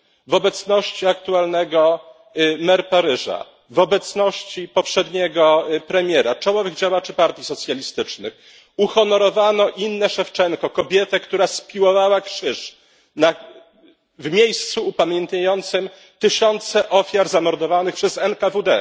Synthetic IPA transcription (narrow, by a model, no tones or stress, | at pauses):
vɔbɛt̪snɔɕt͡ɕiakt̪ualnɛɡɔ | mɛɾpaɾɘʐa̰ | vɔbɛt̪snɔɕt͡ɕipɔpʂɛd̪ɲɛɡɔpɾɛmʲjɛɾat͡ʂawɔvɘɣd͡ʑawat͡ʂɘpaɾt̪ʲjisɔt̪sʲjalʲist̪ɘt͡ʂnɘx | uxɔnɔɾɔvanɔʔinːɛʂɛft͡ʂɛŋkɔkɔbʲjɛt̪ɛkt̪uɾaspʲiwɔvawakʂɘʂ | na | vmʲjejst̪suːpamʲjɛnt̪ɲajɔnt̪sɘm | t̪ɘɕɔnt̪sɛʔɔfʲjaɾzamɔɾd̪ɔvanɘxpʂɛzɛnkavud̪ɛ